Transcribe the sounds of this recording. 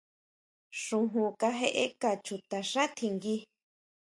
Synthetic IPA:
ʂũ˧ɦũ˧ka˧ɦe˧ʔe˦ka˧˨t͡ʃu˧t̪a˧ʂa˦t̪ʰi˧ŋɡi˧

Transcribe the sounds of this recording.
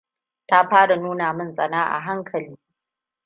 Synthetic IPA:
ta˦ɸaː˦ɽa˨nuː˦na˨mɪ˦nsʼɐ˨naː˦ʔa̰˨ɦa˦ŋkʰɐ˨liː˦

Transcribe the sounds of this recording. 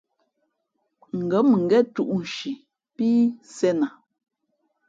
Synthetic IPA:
ŋ̩˨ɡə˨˦m˨ŋ̩˨ɡɛ˦˨tu˦ʔn̩˨ʃi˨ | piː˦sɛ˦na˨

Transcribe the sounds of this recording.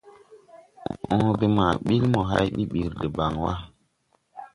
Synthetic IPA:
ɔ̃˦be˦ma˨ɓi˦lmɔ˨ɦa̰˦jɓi˦ɓi˨ɾde˨ba˨ŋwa˦

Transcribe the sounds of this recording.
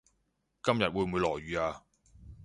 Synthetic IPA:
kɐ˥mjɐ˨t̚wuː˨˧jmuː˨˧jlɔː˨˩jɥyː˨˧aː˧

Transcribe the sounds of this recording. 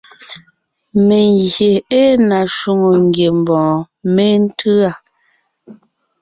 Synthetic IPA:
me˨ŋɣje˨e˦na˨ʃu˦ŋo˨ŋ˦ɡje˨m˨bɔ̃ː˨ | me˦n̩˦tʰɯ˦a˨

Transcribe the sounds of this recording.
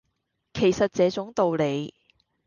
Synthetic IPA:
kʰe˨˩jsɐ˨t̚t͡sɛː˨˧t͡sʊ˨˥ŋt̪o˨wle˨˧j

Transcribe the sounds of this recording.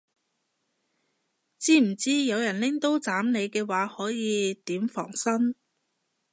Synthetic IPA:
t͡siː˥m̩˨˩t͡siː˥jɐ˨˧wjɐ˨˩nlɪ˥ŋt̪o˥wt͡saː˨˥mne˨˧jkɛː˧waː˨˥hɔː˨˥jiː˨˧t̪iː˨˥mfɔ̰ː˨˩ŋsɐ˥n

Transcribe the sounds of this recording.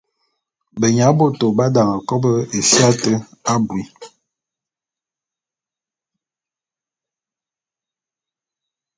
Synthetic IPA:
bə˨ɲa˨˦bo˦˨to˨ba˦da˨ŋa˨kɔ˦bə˦e˨sja˦tə˦a˦bwi˨

